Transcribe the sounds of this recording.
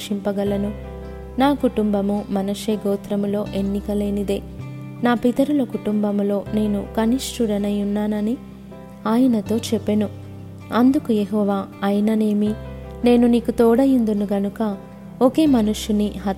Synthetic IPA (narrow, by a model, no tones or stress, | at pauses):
ʂimpɐɡɐlɐnu | naːkuʈumbɐmumɐnɐʂeːɡoːt̪ɾɐmulo̞ːʔe̞nːikɐle̞ːnid̪e̞ː | naːpit̪ɐɾulɐkuʈumbɐmlo̞ːne̞ːnukɐniʂʈuɾɐnɐjunːaːnɐni | aːjɐnɐt̪o̞ːt͡ʃɛpːenu | ɐnd̪ukujeɦɔːʋaːɐjɐnɐne̞ːmi | ne̞ːnuniːkut̪ɔːɽɐjind̪unuɡɐnukɐ | oke̞ːmɐnuʂjuniɦɐ